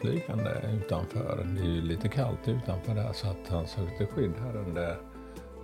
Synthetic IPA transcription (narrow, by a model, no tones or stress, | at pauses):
lyːkand̪ə̰ʉ̟ːt̪anfœ̰ːɾd̪ɛjɵliːt̪əkʰalt̪ʉ̟ːt̪anfœːɖhæʂɔat̪hansøːk̚t̪əɧʏd̪ːaɾɵnd̪ə